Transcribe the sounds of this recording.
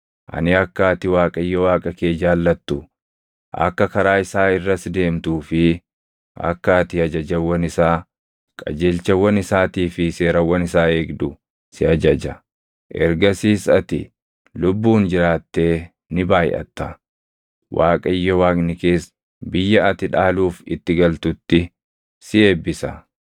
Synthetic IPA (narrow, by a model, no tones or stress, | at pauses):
ʔɐ̰nɪɐkːaːt̪ɪwaːkʼɐɪjːɔwaːkʼɐke̞ːd͡ʒaːlːɐt̪ːʊ | ʔɐ̰kːɐkɐɾaːɪsaːɪrːɐsd̪e̞ːmt̪uːfɪ | ɐ̰kːaːt̪ɪɐd͡ʒɐd͡ʒɐwːɐnɪsaː | kʼɐ̰d͡ʒeːlt͡ʃɐwːɐnɪsaːt̪iːfɪse̞ːɾɐwɐnɪsaːeːɡd̪ʊ | sɪɐd͡ʒɐd͡ʒɐ | ʔɛ̰ɾɡɐsiːsɐt̪ɪ̰ | lʊbːuːnd͡ʒɪɾaːt̪ːe̞ː | nɪbaːjʔɐ̰t̪ːɐ | wʔaːkʼɐjːɔwaːkʼnɪke̞ːs | bɪjːɐɐt̪ɪᶑaːluːfɪt̪ːɪɡɐlt̪ʊt̪ːɪ | sɪe̞ːbːɪsɐ̰